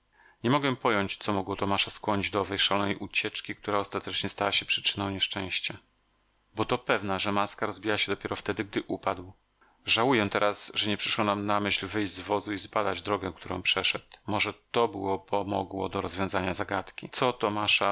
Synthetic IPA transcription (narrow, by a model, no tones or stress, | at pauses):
ɲɛmɔɡwɛpɔjɔɲt͡ɕt̪sɔmɔɡwɔt̪ɔmaʂaskwɔɲid͡ʑd̪ɔɔvɛjʂalɔnɛjʔut͡ɕɛt͡ʂkʲik̚t̪uɾaɔst̪at̪ɛt͡ʂɲɛst̪awaɕɛpʂɘ̥t͡ʂɘnɔ̃w̃ɲɛʂt͡ʂɛ̃ɕt͡ɕa | bɔt̪ɔpɛvnaʐɛmaskaɾɔzbʲijaɕɛd̪ɔpʲjɛɾɔft̪ɛd̪ɘɡ̚d̪ɘʔupad̪w | ʐawujɛt̪ɛɾʔasʐɛɲɛpʂɘ̥ʂwɔnamnamɘɕlvɘjʑd͡ʑzvɔzuizbad̪ad͡ʑd̪ɾɔɡɛkt̪uɾɔ̰̃w̃pʂɛʂɛt̪mɔʐɛt̪ɔbɘwɔpʰɔmɔ̰ɡwɔ̰d̪ɔɾɔzvʲjɔ̃w̃zaɲazaɡat̪kʲit̪sɔt̪ɔmaʂa